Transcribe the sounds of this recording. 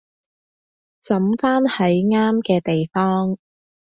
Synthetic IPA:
t͡sɐ˨˥mfaː˥nhɐ˨˥jŋaː˥mkɛː˧t̪e˨jfɔː˥ŋ

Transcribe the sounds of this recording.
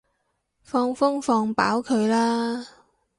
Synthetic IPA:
fɔː˧ŋfʊ˥ŋfɔː˧ŋpa̰ː˨˥wkʰɵ˨˧ɥlaː˥

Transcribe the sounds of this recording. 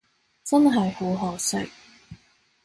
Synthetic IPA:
t͡sɐ˥nɦɐ˨jho˨˥wɦɔː˨˩sɪ̰˥k̚

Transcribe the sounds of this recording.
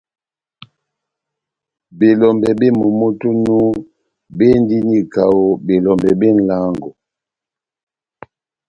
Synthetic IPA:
be˨lɔ˨mbɛ˨be˦mo˨mo˦tu˦nu˦ | be˦n˦di˦ni˦ka˨wo˨be˨lɔ˨mbɛ˨be˦˨n̩˦˨la˦ŋɡɔ˨

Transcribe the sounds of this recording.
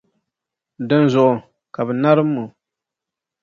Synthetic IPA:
dɨ˦nzʊ˨ʔʊ˨ | ka˨bɨ˨na˦ɾɨ˦mːʊ˨

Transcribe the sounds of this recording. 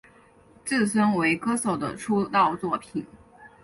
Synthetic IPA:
t͡sɹ̩˥˩sə˥nwe˧˥ɪkɤ˥so˨˩ʊd̪ə̰˦ʈ͡ʂʰu˥t̪ɑ˥˧ʊt͡swɔ˥˩pʰi˨˩˦n

